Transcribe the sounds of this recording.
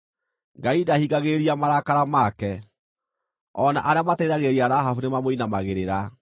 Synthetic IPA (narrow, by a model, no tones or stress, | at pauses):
ŋɡaidahiɡaɣeɾiamaɾakaɾamakɛ | ɔna̰ʔaɾeamatɛiɾaɣeɾiaɾaɦafunemamoinamaɣeɾeɾa